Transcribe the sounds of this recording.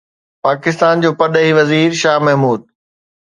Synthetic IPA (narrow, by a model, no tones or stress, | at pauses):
paːkɪst̪aːnd͡ʑoːpɐɗəɦiʋɐziːɾʃaːɦmɐɦmuːd̪̚